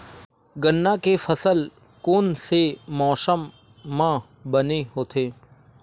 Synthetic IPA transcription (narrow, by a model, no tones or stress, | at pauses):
ɡənːakefɐsəl | koːnsemɔːsəmː | ã | bəneɦoːt̪ʰeː